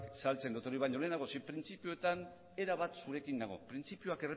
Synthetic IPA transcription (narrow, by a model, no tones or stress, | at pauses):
salt͡se̞nd̪ot̪o̞ɾiβajɲo̞le̞naɣosipɾint͡sipioet̪an | e̞ɾaβ̞at̪suɾe̞kind̪aɣ̞o̞̰pɾint͡sipioake̞re